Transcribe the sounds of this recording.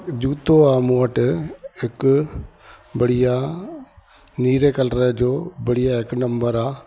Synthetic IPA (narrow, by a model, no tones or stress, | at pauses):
d͡ʑuːt̪oaːmoəʈɦɪk | bɐɽija | niːɾekɐlɾed͡ʑoːbɐɽijaɦɪknɐ̃mbəɾaː